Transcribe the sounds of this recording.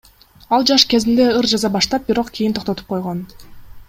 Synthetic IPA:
ɑlˠd͡ʒɑʃke̞zind̪e̞ɯɾd͡ʒɑzɑbɑʃt̪ɑp̚biɾoqkʰʲijint̪ʰo̞qt̪o̞t̪up̚qʰo̞jʁon

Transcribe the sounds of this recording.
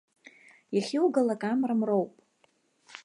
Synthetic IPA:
jaχʲiwɡalakʼamramrowpʼ

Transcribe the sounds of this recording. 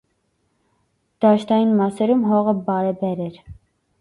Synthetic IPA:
d̪̥ɑʃt̪ɑjinmɑsɛɾumɦɔʁəbɑɾɛbɛɾɛɾ

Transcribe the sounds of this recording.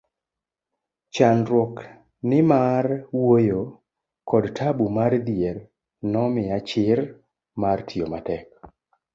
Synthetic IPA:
t͡ʃanɾwɔk | nɪmarwojo | kɔdtʰabumard̪jɛɾ | nɔmɪat͡ʃɪɾ | martʰiomatɛk

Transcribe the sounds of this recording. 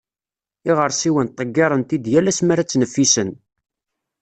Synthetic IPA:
ɪʁəɾˤsiwənt̪ˤːəɡːeɾˤənt̪id̪jælæsmæɾæt͡sːnəfːisən

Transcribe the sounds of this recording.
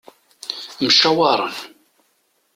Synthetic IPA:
mʃawɑɾˤə̰n

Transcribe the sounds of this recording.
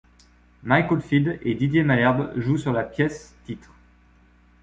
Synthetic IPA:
majkɔlfid̪ed̪id̪jemalɛʁbʒusyʁlapjɛst̪it̪χ

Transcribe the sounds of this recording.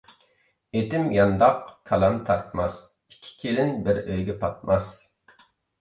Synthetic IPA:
et̪ɪmjɑnd̪ɑqkʰɑlˠɑnt̪ʰɑɾt̪mɑs | ikʲʰːi̥kʲʰelɪnbɪɾøjɡʲɛpʰɑt̪̚mɑs

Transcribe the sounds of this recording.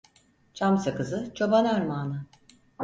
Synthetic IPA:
t͡ʃʰamsakɯzɯt͡ʃʰo̞banaɾmaːnɯ

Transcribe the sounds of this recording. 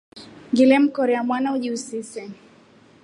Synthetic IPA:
ŋɡilɛm̩kɔɾɛamwanauʄiusisɛ

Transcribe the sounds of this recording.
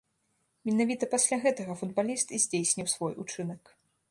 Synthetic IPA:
mʲɛnavʲit̪ɐpasʲlʲaɣɛt̪ɐɣɐfud̪̚balʲist̪izʲd͡zʲejsʲnʲiwsvɔjut͡ʂɨnɐk

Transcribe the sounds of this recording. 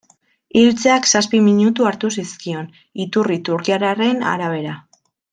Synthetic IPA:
ilt͡seaksaspimiɲut̪uaɾt̪usiskio̞n | it̪urit̪uɾkiaɾare̞na̰ɾaβ̞e̞ɾa

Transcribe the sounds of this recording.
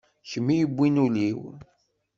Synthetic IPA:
çəmːijəbʷːinuliw

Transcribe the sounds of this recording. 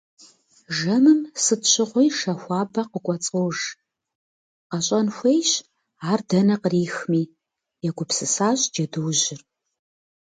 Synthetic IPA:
ʒɐmɨmsɨtɕʰɪʁʷijʂɐxʷɑːbɐqəkʷʼɔt͡sʼowʒ | qɐɕʼɐnxʷejɕ | aːrdɐnɐqəriːxmiː | jɛɡʷʊpsɨsaːɕʼd͡ʒɐdɨwʑɪr

